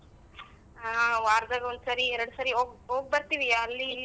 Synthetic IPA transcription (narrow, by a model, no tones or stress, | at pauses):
aʋaːɾd̪aːɡɐond̪saːɾieɾɐɽusaːɾiɦoːɡɦoːɡ̚bɐɾt̪iːʋiaɐlːilː